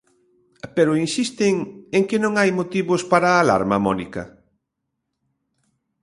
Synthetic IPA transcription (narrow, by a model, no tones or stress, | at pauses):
peɾʊinsist̪ɪŋeŋkɪnõŋajmot̪iβʊspaɾaːla̰ɾmɐmɔnikɐ̰